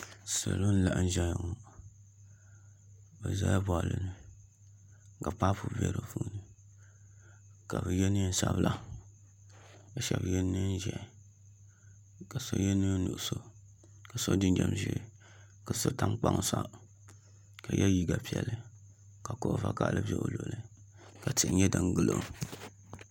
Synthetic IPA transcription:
sa̰˨lo˦n̩˦la˨ʔn̩˦ʒɛ˦jŋo˨ | bɛ˨za˦bɔ˨lɨ˨nɨ˨ | ka˨pa˦pu˨bɛ̰˦ɾo˨fu˦nɨ˨ | ka˨bɨ˨jɛ˦nɨ˦n̩˦sa˦blʔa˦ | ba˨ʃɛ˦bɨ˨jɛ˦nː˦ɨ˦n˦ʒɛ˨ | ka˨so˦jɛ˦nɨ˦nu˨ʔso˦ | ka˨so˦dɨ˦nd͡ʒɛ˨mʒi˦˨ | ka˨so˦ta˦mk͡pa˦ŋ˨sa˦ | ka˨jʔɛ˦ji˦ɡa˨pi˨ɛ˨lːɨ˨ | ka˨ko˦ʔva˦ka˨ʔlɨ˦bʲɛ˦ʔo˨lo˨lɨ˦ | ka˨ti˨ɲɛ˦da˦ŋɡɨ˦lo̰˨

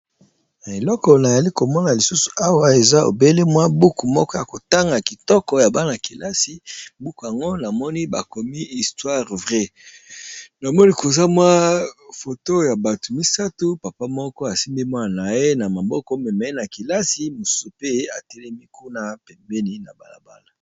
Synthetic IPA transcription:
na˨e˨lɔ˦kɔ˨na˨za˨li˦ko˨mɔ˦na˨li˨su˦su̥˨a˦wa˨e˨za˦o̰˨be˦le˦mwa˦bu˦ku˨mɔ˦kɔ˦ja˨ko˨ta˦ŋɡa˨ki˨tɔ˦kɔ˨ja˨ba˦na˨ki˨la˦si˨bu˦ku˨a˨ŋɡo˦na˨mɔ˦ni˦ba˨ko˨mi˦i˨stwa˦ʁvʁɛ˦ | na˨mɔ˦ni˦kʰo˨za˦mwa˦fo˨to˦ja˨ba˨tu˨mi˦sa˦tu˦pa˨pa˦mɔ˦kɔ˦a˨si˦mbi˦mwa˦˨na˨je˦na˨ma˨bɔ˦kɔ˦mɛ˨mɛ˨˦na˨ki˨la˦si˨mu˨su˦pe˦a̰˨tɛ˦lɛ˦mi˦ku˦na˦pɛ˨mbɛ˦ni˦na˨ba˨la˨ba˦la˨

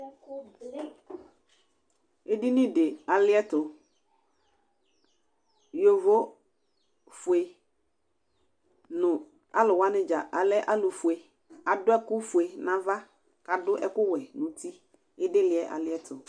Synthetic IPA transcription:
ɪ˦dɪ˦nɪ̃˦dɪ˨a˨lɪ˦ɛ˦tʊ˨ | jo˨vo˦ | fʊ˨e˨ | nʊ̃˨ | a˦lʊ˨wa˦nɪ̃˦d͡ʒa˨ʔa˨lɛ˦ʔa˦lʊ˨fʊ˨e˨ | a˨dʊ˦ɛ˦kʊ˦fʊ˨e˨nã˨va˦ | ka˨dʊ˦ʔɛ˦kʊ˦wɛ˨nʊ̃˨tʰi˦ | ɪ˦dɪ˦lɪ˨ɛ˨ʔa̰˨lɪ˦ɛ˦tʰʊ˨

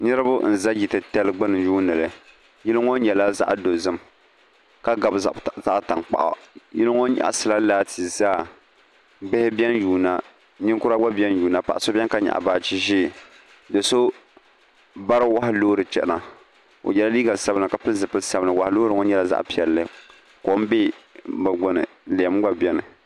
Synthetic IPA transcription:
nɨ˦ɾɨ˦bʊ˦n̩˨za˦ji˨tɨ˨tɛ˦lɡ͡bɨ˦nɨ˨n˦juː˦nɨ˨lɨ˨ | jɛ˦lɨ˦ŋɔ˦nɲɛ˨la˦za̰˦ʔdo˨zɨ˦m | ka˦ɡa˨bza˦ta˨ŋk͡pa̰˨ʔɔ̰˨jɛ˦lɨ˦ŋɔ˦ɲa̰˨ʔsɨ˨la˦laː˦ti˨zaː˦˨ | bɪ˦hɪ˦bi˦ɛ˦njuː˨na˦ | ɲɪ˦ŋkʊ˦ɾa˦ɡ͡ba˦bi˦ɛ˦n˦juː˨na˨pa̰˨ʔa˨so˦bʲɛ˦n˦ka˦ɲa̰˨ʔa̰˨baː˨t͡ʃi˦ʒiː˦˨ | dɨ˨so˦ | ba˦ɾɨ˦wa˦ɦɪ˦loː˦ɾɨ˨t͡ʃɛ̰˦ʔna˨ | o̰˨jɛ˦la˦li˦ɡa˨sa˦bɨ˦na˨ka˨pɨ˦zɨ˨pɨ˦sa˦bɨ˦nɨ˨wa˨hloː˦ɾɨ˨˦ŋo˦ɲɛ˦la˦za̰˦ʔpi˨ɛ˨lːɨ˦ | ko˨˦m˦be˦bɨ˨ɡ͡bo˨nɨ̰˨ | le˨ɛ˨˦m˦ɡ͡ba˦bjɛ˦nɨ˨

